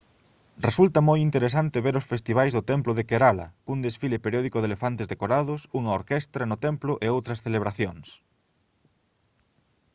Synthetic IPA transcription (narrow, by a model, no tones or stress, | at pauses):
result̪ɐmojint̪eɾesant̪ɪβeɾʊsfest̪iβajzðʊt̪ɛmplʊðekeɾalɐ̰kuŋd̪esfilepeɾjɔðikoðelefant̪ezðekoɾaðʊsuŋɐoɾkɛst̪ɾɐnʊt̪ɛmplʊʔeowt̪ɾɐsθeleβɾaθjoŋs